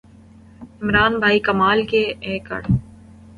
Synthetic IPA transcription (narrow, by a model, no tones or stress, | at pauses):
ɪmɾaːnbʱaːikɐmaːlkeɛːkɐ̰ɽ